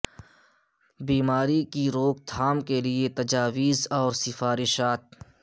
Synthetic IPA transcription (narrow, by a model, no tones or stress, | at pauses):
biːmaːɾikiɾoːɡ̚t̪ʰaːmkeliet̪ɐd͡ʒaːwiːzɔːɾsɪfaːɾɪʃaːt̪̚